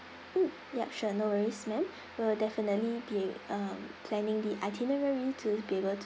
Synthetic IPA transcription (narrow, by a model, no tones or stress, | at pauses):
jɛp̚ʃunowəɹismɛ̃m | wəldɛfinətlibiʌmpʰlɛ̃nɪ̃ŋdiʔaɪtʰinəɹəɹitʰubiebəltʰ